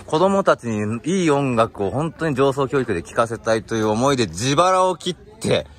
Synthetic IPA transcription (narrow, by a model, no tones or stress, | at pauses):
ko̞d̪o̞mo̞t̪at͡ɕiɲ̟iiːõ̞ŋɡakɯ̟o̞ɦõ̞nt̪o̞ɲ̟id͡ʑo̞ːso̞ːkʲo̞ːikɯ̟d̪e̞kʲi̥kase̞t̪ait̪o̞jɯ̟ːomo̞id̪e̞d͡ʑibaɾaokʲit̪ʰːe̞